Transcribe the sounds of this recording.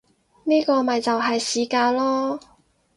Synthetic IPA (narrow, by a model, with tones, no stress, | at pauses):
niː˥kɔː˧mɐ˨jt͡sɐ˨wɦɐ˨jsiː˨˥kaː˧lɔː˥